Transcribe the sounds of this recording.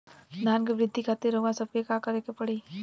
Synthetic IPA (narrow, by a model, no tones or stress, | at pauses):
d̪ʱaːnkeʋɾɪd̪ʱːikʰaːt̪eɾouɡãsɐb̚kekakɐɾekepɐɽiː